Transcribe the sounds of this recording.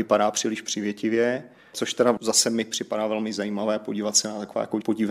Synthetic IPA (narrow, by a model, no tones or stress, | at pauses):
ɪpaɾaːpr̝̥iːlɪʃpr̥ɪvjɛcɪvjɛ | t͡so̞ʃt̪ɛɾazasɛmɪpr̥ɪpadaːvɛlmɪzajiːmavɛːpo̞ɟiːvat̪sɛnat̪akova̰ːjakopo̞ɟɪv